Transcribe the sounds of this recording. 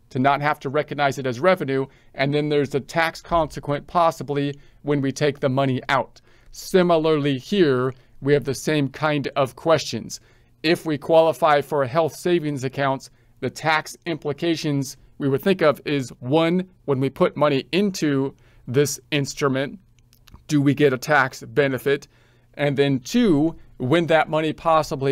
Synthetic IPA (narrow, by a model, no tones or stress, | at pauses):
tʰɨnət̚ɦæftʰɨɹɛkɨɡ̚naɪzɨɾɨzɹɛvɨ̃nʉ | ʔɨ̃nðɨ̃nðə˞zɨtʰækskʰɑ̃nsɨkʰwɨ̃npʰɑsəbli | wɨ̃nwitʰeɪk̚ðɨmʌɾ̃iʔaʊt̚ | sɪ̃ml̩ˠə˞lˠihiɹ | wiɨvðɨsẽɪ̃mkʰãɪ̃ndʌv̥kʰw̥ɛst͡ʃɨ̰̃nz̥ | ɪfwikʰw̥ɑlˠəfaɪfə˞ɨɦɛlˠθseɪvɪ̃ŋzɨkʰãʊ̃nts | ðɨtʰæksɪ̃mpləkʰeɪʃɨ̃nz | wiwɨd̪̚θɪ̃ŋkʌvɪzwʌ̃n | wə̃nwipʰʊt̚mʌɾ̃iʔɪ̃ntʰʉ | ðɪsɪ̃nstɹ̥ɨmɨ̃n | d̥ɨwiɡɛɾɨtʰæksb̥ɛnɨfɪɾ | ʔɨ̃nðɨ̃ntʰʉwɨ̃nðɨt̚mʌɾ̃ipʰɑsəbli